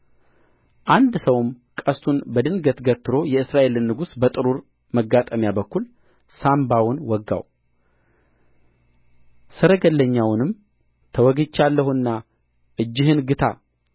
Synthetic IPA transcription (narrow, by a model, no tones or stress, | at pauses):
ʔand̪səwm | kʼəst̪ʰunbəd̪ɨnɡət̪ɡət̪ːɨɾo̞jɛɨsɾaʔe̞lnːɨɡusbət̪ʼɨɾuɾ | məɡːat̪ʼəmjabəkːul | sambawʊnwɔɡːa̰w | sɨɾəɡəlːəɲːawnɨm | t̪ʰəwɔɡɨt͡ʃːalːəhuɨnːa | ʔɨd͡ʒːɪhɨnɡɨt̪ʰa̰